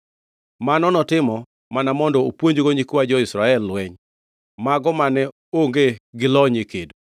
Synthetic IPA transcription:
manɔnɔtɪmɔ | manamɔndɔopwoɲd͡ʒɡoɲɪkwad͡ʒɔɪsɾaɛlːwɛɲ | maɡɔmanɛ | oŋɡeɡɪlɔɲekedo

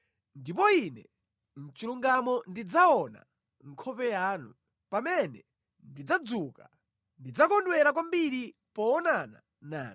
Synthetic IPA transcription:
ndip̬ɔinɛ | n̩t͡ʃiluŋɡamɔndid͡zaɔna̰ | ŋkʰɔpɛjaːnu | pamɛnɛ | ndid͡zad͡zuka | ndid͡zakɔndwɛɾak̬wambiɾi | pɔːnana̰ | naːn

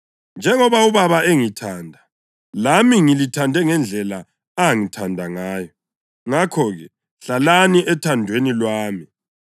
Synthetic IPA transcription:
nd͡ʒʱɛŋɔβauβaβaeŋitʰaːndʱa | lamiŋilitʰandʱɛŋɛnd͡ɮʱɛla | aŋitʰandʱaŋaːjɔ | ŋakʰɔɣɛ | ɬalaniʔɛtʰandʱwenilwaːmi

